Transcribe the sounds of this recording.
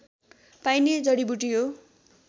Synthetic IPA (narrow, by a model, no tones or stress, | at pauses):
pajned͡zʌɽibuʈiɦo